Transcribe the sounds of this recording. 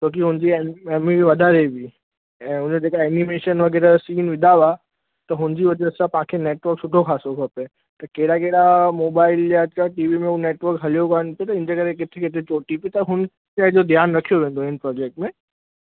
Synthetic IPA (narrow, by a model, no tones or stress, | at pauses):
t͡ɕõːk̬iɦʊnd͡ʑiɛɛːmiʋɐd̪ʱaɾebʱi | ɛ̃ːɦʊnd͡ʑd͡ʑeːkaɛnimeːʃənʋɐɡɛːɾəsiːnʋɪd̪ʱaʋa | t̪ɐɦʊnd͡ʑiʋɐd͡ʑesapɐãkʰeneːʈʋəɾksʊɖʱoxʰaːsokʰɐpe | t̪ɐkeːɪɽakeɽamoːbaːɪljaaʈiːʋimẽuneːʈʋəɾkɦɐlijokaənpiot̪ɐɪ̃nd͡ʑekɐɾekɪt̪ʰekɪt̪ʰet͡ɕoːʈipiet̪ɐɦʊn | t͡ɕaːɦɪd͡ʑod̪ʱjaːnɾɐkʰijoʋẽːn̆d̪oɦɪnpɾɔːd͡ʑeːk̚ʈmẽ